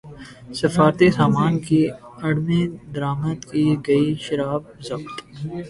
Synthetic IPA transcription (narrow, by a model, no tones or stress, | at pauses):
sɐfaːɾt̪isaːmaːnkiɐɽmẽd̪ɐɾaːmət̪kiɡɐiʃɐɾaːb̚zɐbt̪